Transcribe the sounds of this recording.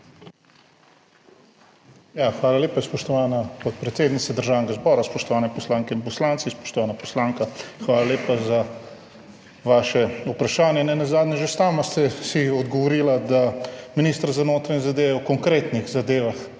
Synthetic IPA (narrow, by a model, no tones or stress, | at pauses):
jaxʋaːlaleːpaspɔʃt̪ɔʋanapɔt̪̚pɾɛt̪seːd̪nit̪sad̪əɾʒaːwnɛɡazbɔːɾaspɔʃt̪ɔʋaːnɛpɔslaŋkɛinpɔslant̪sispɔ̥ʃt̪ɔʋanapɔslaːŋkaxʋaːlaleːpaza | ʋaʃɛupɾaʃaːnjɛnɛnazaːd̪nʲɛʒesaːmast̪ɛsiɔd̪ɡɔʋɔɾiːlad̪aminist̪əɾzanoːt̪ɾaɲɛzad̪eːʋɛɔkɔŋkɾeːt̪nixzad̪eːʋax